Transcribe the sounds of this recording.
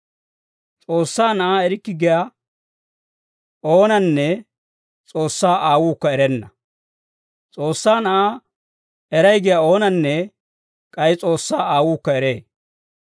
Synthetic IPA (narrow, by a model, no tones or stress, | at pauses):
t͡sʼoːsːaːnɐʔaːɛɾɪkːɪɡɪja | oːnɐnːɛ | t͡sʼo̞ːsːaːʔaːwuːkːɐɛɾɛnːɐ | t͡sʼo̞ːsːaːnɐʔaː | ɛɾɐjɡɪjao̞ːnɐnːɛ | kʼɐjɪt͡sʼo̞ːsːaːaːwuːkːɐɛɾeː